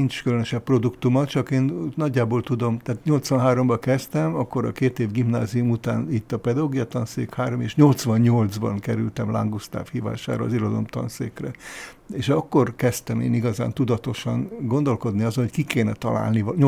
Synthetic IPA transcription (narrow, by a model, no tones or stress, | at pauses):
int͡ʃkylønøʃɛpːro̞d̪ukt̪umɒt̪t͡ʃɒkeːnnɒɟːaːbolt̪ud̪o̞mt̪aːt̪ɲo̞lt̪sʋɒnɦaːɾo̞mbɒkɛst̪ɛmɒkːo̞ɾɒ̰keːt̪eːvɡimnaːziumut̪a̰ːnit̪ːɒpɛd̪ɒoɡijɒt̪ɒnsḛːkhaːɾo̞meːʃɲo̞lt̪sʋɒɲɲo̞ld̪zbɒ̰nkɛɾy̰lt̪ɛmla̰ŋɡust̪a̰ːfhiːva̰ːʃa̰ːɾɔːzilod̪o̰mt̪ɒ̰nsḛːkrɛ | eːʃɒkːo̞rkɛst̪ɛmḛːniɡɒza̰ːnt̪ud̪ɒt̪o̞ʃɒnɡo̞nd̪o̞lko̞d̪niɒzonhockikeːnɛt̪ɒla̰ːlnivɲ